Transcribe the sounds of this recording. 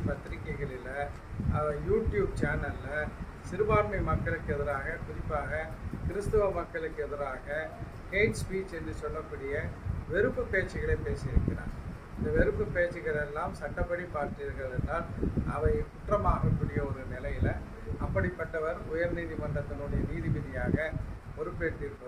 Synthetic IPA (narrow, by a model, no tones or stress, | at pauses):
pɐt̪ːɪɾɪkːɐɪɣɐɭɪlɐ | ɐʋɐjuːʈjuːb̚t͡ʃaːnɐlːɐ | sɪɾɯbaːɾmɐɪmɐkːɐɭɯkːɯɛðɯɾaːɣɐkʊɾɪpːaːɣɐkɪɾɯst̪ɯʋɐmɐkːɐɭɯkːɯɛðɯɾaːɣɐ | keːt͡ʃspiːt͡ʃɛndrɯsɔlːɐkːuːɽɪjɐʋɛɾɯpːɯpːeːt͡ʃːɪɣɐɭeːpeːsɪɪɾɯkːɪɾa̰ːn | ɪnd̪ɐʋɛɾɯpːɯpːeːt͡ʃːɯɣɐɭɛlːaːmsɐʈːɐpːɐɽipaːɾʈɾijɐɾɣɐɭɭɛnːaːlʔɐ̰ʋɐɪkʊʈrɐmaːɣɐkːuːɽɪjɐɔɾɯnɪlɐjɪlɐ | ʔɐpːɐɽɪpːɐʈːɐʋɐɾʊjɐɾniːðimɐɳɖɐt̪ːɪlɯɽɐjɐniːðiʋɪðɐjaːɣɐ | ɔɾɯpːeːʈːɪɾɯpːɐð